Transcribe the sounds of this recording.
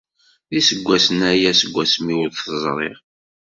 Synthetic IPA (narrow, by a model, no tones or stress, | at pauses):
ðisəɡʷːæsənæjæsəɡʷːæsmiwəðθəzˤɾˤeʁ